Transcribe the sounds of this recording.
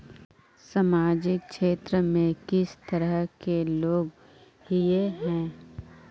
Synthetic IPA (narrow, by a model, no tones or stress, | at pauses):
samaːd͡ʒɪk̚kʃeːt̪ɾəmẽkɪst̪əɾəɦkeloːɡ | hijeɦɛ̃ː